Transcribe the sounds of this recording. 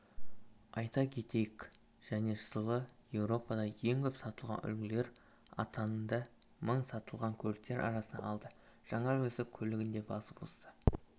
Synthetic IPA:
ɑjt̪ɑkʲʰe̞t̪e̞jɪkʲ | ʒ̥æne̞səlˠəje̞wɾo̞pɑd̪ɑje̞ŋkʲʰɵpsɑt̪əlˠʁɑ̰nʔʏ̰lɡʲɪle̞ɾ | ɑ̰t̪ʰɑnnd̪ɑ | məɴsɑt̪əlˠʁɑŋkʲʰɵlɪk̚t̪e̞ɾʔɑ̰ɾɑsənd̪ɑ̰ːlˠd̪ə | ʒ̥ɑɴɑwɵzɪkʲʰɵlɪɡʲɪnd̪e̞bɑsəpost̪ə

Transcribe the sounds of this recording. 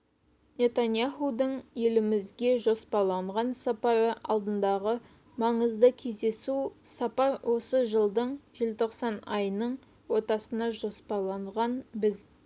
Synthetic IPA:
nʲe̞t̪anjaχud̪əɴje̞lɪmɪzɡʲe̞ʒo̞spɑlˠɑɴʁɑnsɑpɑɾəɑ̰lˠd̪ənd̪ɑʁə | mɑɴəzd̪əkʲʰe̞zd̪e̞susɑpɑɾwʔo̞səʒəlˠd̪əɴʒelt̪ʰo̞qsɑnɑjnəɴ | wo̞t̪ɑsənɑʒo̞spɑlˠɑɴʁɑnbɪz

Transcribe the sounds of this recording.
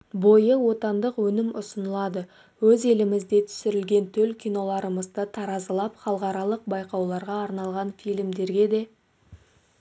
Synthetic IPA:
bo̞jəwo̞t̪ɑnd̪əqwɵnɪmʊsənəlˠɑd̪ə | wɵze̞lɪmɪzd̪e̞t̪ʰʏ̥sɪɾɪlɡʲe̞nt̪ʰɵlkʲijno̞lˠɑɾəməzd̪ət̪ʰɑɾɑzəlˠɑpχɑlˠqɑɾɑlˠəq̚bɑjqɑwlˠɑɾʁɑːɾnɑlˠʁɑnfijlmd̪e̞ɾɡʲe̞d̪e̞

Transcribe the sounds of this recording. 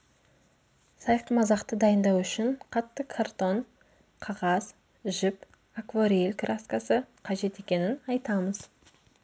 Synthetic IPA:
sɑjqəmɑzɑqt̪əd̪ɑjənd̪ɑwʏʃɪɴqʰɑt̪ːəkʰart̪o̞ɴ | qʰɑʁɑz̥ | ʒɪp | akvoɾielʲkʰraskasəqʰɑʒe̞t̪e̞kʲe̞nɪnɑjt̪ɑməz

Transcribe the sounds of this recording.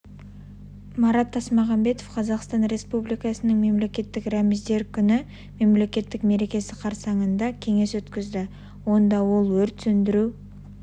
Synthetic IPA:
mɑɾɑt̪ʰːɑsmɑʁɑmbe̞t̪ofqʰɑzɑqst̪ɑnɾe̞spublijkɑsənəɴŋme̞mle̞kʲe̞t̪ːɪkɾamɪzd̪e̞ɾkʲʰʏnɪ | me̞mle̞kʲe̞t̪ːɪkme̞ɾe̞kʲe̞sɪqʰɑɾsɑɴənd̪ɑkʲʰe̞ŋe̞swɵt̪kʲɪzd̪ɪ | wo̞nd̪ɑwo̞lˠwɵɾt̪sɵnd̪ɪɾu

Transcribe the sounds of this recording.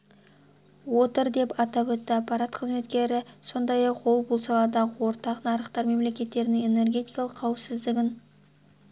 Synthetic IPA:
wo̞t̪əɾd̪e̞pɑt̪ɑwɵt̪ːɪɑpːɑɾat̪qʰəzme̞t̪kʲe̞ɾɪso̞nd̪ɑjɑqwolˠbʊlˠsɑlˠɑd̪ɑʁəwo̞ɾt̪ɑqnɑɾəqt̪ɑɾme̞mle̞kʲe̞t̪ːe̞ɾɪnɪŋe̞ne̞rɡʲe̞t̪ijkɑlˠəqʰːɑwəpsɪzd̪ɪɡʲɪn

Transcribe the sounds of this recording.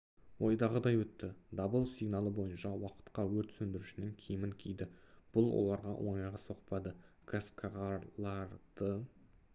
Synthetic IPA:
wʔo̞jd̪ɑʁəd̪ɑjwɵt̪ːɪd̪ɑbəlˠsijɡnɑlˠəbo̞jənʃɑwɑqə̥t̪qɑwɵɾt̪sɵnd̪ɪɾɪʃɪnɪŋkʲʰejmɪŋkʲʰijd̪ɪb̥ʊlˠwo̞̰lˠɑɾʁɑ̰wʔo̞̰ɴɑjʁɑso̞qpɑd̪ə | kʰaskaʁɑlˠɑɾd̪̥ə

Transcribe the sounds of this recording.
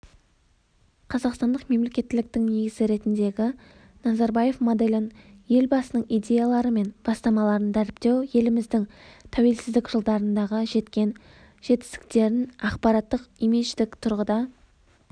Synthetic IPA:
qʰɑzɑqst̪ɑnd̪əqme̞mle̞kʲe̞t̪ːɪlɪk̚t̪ɪŋne̞ɡʲɪzɪɾe̞t̪ɪnd̪e̞ɡʲɪ | nɑzɑɾbɑje̞fmod̪elʲɪnje̞lbɑsənəɴijd̪ʲe̞jalˠɑɾəme̞nb̥ɑst̪ɑmɑlˠɑɾənd̪æɾɪp̚t̪e̞wje̞lɪmɪzd̪ɪŋt̪ʰæwe̞lsɪzd̪ɪkʒəlˠd̪ɑɾənd̪ɑʁəʒe̞t̪kʲe̞n | ʒ̥e̞t̪ːɪ̥st̪ɪ̥k̚t̪e̞ɾɪnɑqpɑɾɑt̪ːəqimeʃt̪ɪkt̪ʰʊɾʁəd̪ɑ

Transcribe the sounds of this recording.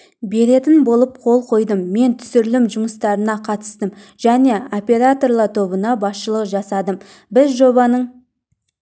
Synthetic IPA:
be̞ɾe̞t̪ɪnbo̞lˠəp̚qʰo̞lˠqʰo̞jd̪əmːe̞nt̪ʰʏ̥sɪɾlɪmʒʊməst̪ɑɾənɑqʰɑt̪ə̥st̪əmʒ̥æne̞opʲe̞ɾat̪o̞rlˠɑt̪ʰo̞βənɑbɑsʃəlˠəqʒɑsɑd̪əm | bɪzʒo̞βɑnəɴ

